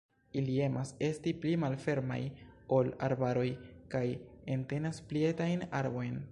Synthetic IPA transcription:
ilie̞mʔase̞stiplimalfe̞ɾma̰jo̞la̰ɾbaɾo̞jkaje̞nte̞nasplie̞tajnaɾbo̞jn

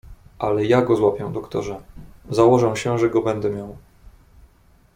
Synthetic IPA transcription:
ʔalɛjaɡɔzwapʲjɛw̃d̪ɔkt̪ɔʐɛzawɔʐɛw̃ɕɛʐɛɡɔbɛnd̪ɛmʲjaw

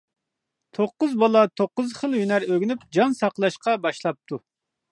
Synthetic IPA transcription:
t̪ʰoqːʊzbɑlˠɑt̪ʰoqːʊzχəlˠjynæɾøɡʲynyp̚d͡ʒɑnsɑqlˠɑʃqɑbɑʃlˠɑp̚t̪ʰu

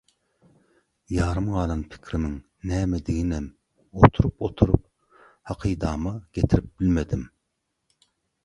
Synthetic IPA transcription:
jɑːɾɨmʁɑːlˠɑnpʰɪ̥kʲʰɾɪnɪŋ | nɛːmɛd̪ɪɡʲinɛm | ot̪ʰuɾupot̪ʰuɾup̚ | hɑqʰɨjd̪ɑːmɑɡ̥ʲet̪ʰɪɾɪp̚b̥ɪlmɛd̪ɪm

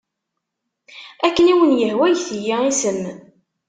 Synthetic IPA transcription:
ækːəniwənjəhwæjθjːaisəmː

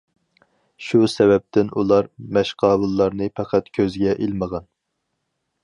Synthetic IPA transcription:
ʃusɛvɛp̚t̪ʰɪnʔulˠɑɾmɛʃqʰɑːbɨlˠːɑɾnɨpʰæqʰæt̪kʲʰøzɡʲɛʔilməʁɑn

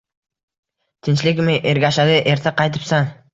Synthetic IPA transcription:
t̪ʰɪnt͡ʃlɪkʲmɪʔeɾɡʲaʃad̪ɪʔe̞ɾt̪ʰaqʰɑjt̪ɪ̥psɑŋ

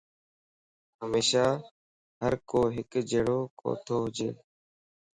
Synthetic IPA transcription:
ɦəmeːʃaː | ɦəɾkoːɦɪkd͡ʒeːɽoːko̰ːt̪ʰoːɦʊd͡ʒḛː

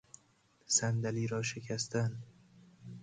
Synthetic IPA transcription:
sænd̪æliːɾɒːʃecʰæst̪æn

